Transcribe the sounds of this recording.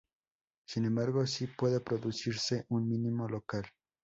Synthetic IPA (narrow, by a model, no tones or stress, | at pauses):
sinembaɾɣo̞sipwe̞ðepɾoðusiɾse̞ʔunmĩnĩmo̞lokal